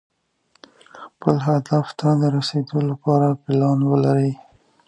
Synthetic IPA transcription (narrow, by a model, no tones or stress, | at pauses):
xpəlɦad̪aft̪ad̪əɾased̪olapɑɾapɪlɑnwəlaɾi